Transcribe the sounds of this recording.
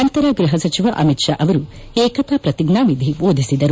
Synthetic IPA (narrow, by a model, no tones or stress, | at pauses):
ɐnt̪ɐɾɐɡɾuɦɐsɐt͡ʃiʋɐʔɐmitʃa̰ʔɐʋɐɾu | eːkɐt̪aːpɾɐt̪iɡɳaːmid̪iboːd̪ʱisid̪ɐɾu